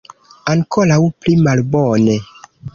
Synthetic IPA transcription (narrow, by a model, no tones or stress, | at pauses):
aŋkʰoɾawplimalbone